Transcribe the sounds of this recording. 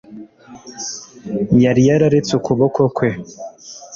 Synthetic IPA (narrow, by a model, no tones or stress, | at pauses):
jaɾijaɾaɾet͡sukʰuβokʰokwe